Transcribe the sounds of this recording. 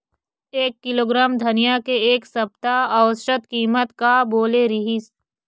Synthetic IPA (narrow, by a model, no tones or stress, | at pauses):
eːkːɪloːɡɾaːmd̪ʱɐnijakeeːksɐb̚t̪aɐʋsʃət̪kiːmət̪kaboːleɾɪɦis